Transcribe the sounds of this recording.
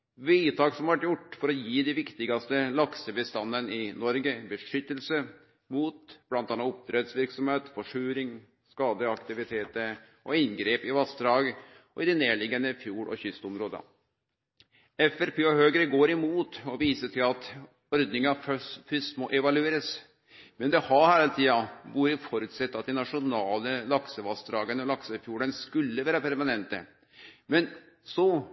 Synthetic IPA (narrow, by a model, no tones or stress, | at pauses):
ʋiɪt̪ʰɑːksɔmʋæʈjʊʈːfɔɾɔjiːd̪ɪʋɪkt̪ɪɡɑst̪əlɑksəbəst̪ɑnːənɪnɔɾɡəbəʂʏt̪ːəlsə | muːt̪b̥lɑnt̪ɑːnːɑʊp̚t̪ʰɾɛːd̪sʋɪɾksɔmheːt̪fɔʂʉːɾɪŋ | skɑːd̪əɑkt̪ɪʋɪt̪ʰeːt̪ə | ʔɔɪnɡɾeːpɪʋɑst̪ɾɑːɡ | ɔɪd̪ɛneːɭɪɡənəfjuːɽɔ̰çʏst̪ʊmɾoːd̪ə̰ | ɛfɛɾpʰeːɔhøːɡɾəɡoːɾɪmuːt̪ɔʋiːsəʈʰɪlɑt̪ | ɔɾd̪nɪŋəɑfœsfʏst̪mɔʔɛʋɑlʉeːɾəs | mɛnd̪ɛhɑɾhæːɾəlt̪ʰiːɑʋuːɾəfɔɾʉːt̪sɛt̪ːɑt̪̚d̪ɪnɑʂʊnɑːləlɑksəʋɑst̪ɾɑːɡənəɔlɑksəfjuːɽənskʉlːəʋæːɾəpʰæɾmɑnɛnt̪ə̰ | mɛn | sɔ